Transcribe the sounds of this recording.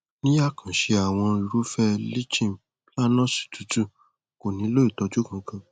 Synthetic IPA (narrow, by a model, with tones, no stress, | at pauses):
nĩ˦a˦˨kã˨ʃe˧a˨w̃ɔ̃˧i˨ɾu˦fɛ˦li˦t͡ʃĩ˦˨m˨ | la˦nɔ̃˦˨si̥˨tu˨˦tu˦ | ko˨nĩ˨˦lo˦i˦˨tɔ˧d͡ʒu˦kã˧kã˧